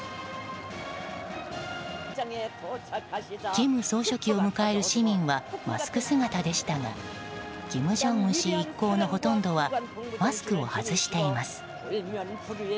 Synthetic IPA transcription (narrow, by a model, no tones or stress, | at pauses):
ɡ̥ʲimɯ̟so̞ːɕo̞kʲio̞mɯ̟kae̞ɾɯ̟ɕimʲĩɰ̃βama̰ssɨ̥kɯ̟sɨɡat̪ad̪e̞ɕi̥t̪aŋa̰ | ɡ̥ʲimɯ̟ʑõ̞ŋɯ̃ɕiːkːo̞ːno̞ɦo̞t̪õ̞nd̪o̞βamasɨ̥kɯ̟o̞hazɨɕi̥t̪e̞imasɨ̥